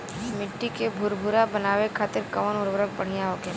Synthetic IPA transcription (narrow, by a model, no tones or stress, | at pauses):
mɪʈːikebʱʊɾbʱʊɾabənaːʋekʰaːt̪ɪɾkɐʋənʊɾbɾək̚bəɽ̤ijaɦoke